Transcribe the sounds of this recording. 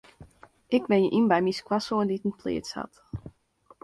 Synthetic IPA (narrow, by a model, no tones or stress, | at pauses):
ʔɪkbɪnjəʔimbɛjmiskwasoənditən̩plḛːtsha̰t